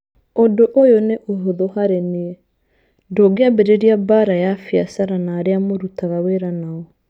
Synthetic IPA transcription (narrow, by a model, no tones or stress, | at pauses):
odoʔojoneʔoɦoðoɦaɾeniɛ | ndoɡeabeɾeɾiabaɾajafiasaɾanaːɾeamoɾutaɣaweɾanaɔ